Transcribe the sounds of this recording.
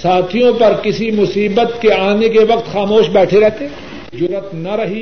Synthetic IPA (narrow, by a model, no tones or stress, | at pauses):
saːt̪ʰijõpɐɾkɪsimʊsiːbət̪keaːnekeʋɐq̚t̪xaːmoːʃbɛːʈʰeɾɛɦt̪eː | d͡ʒʊɾət̪nɐɾɐɦi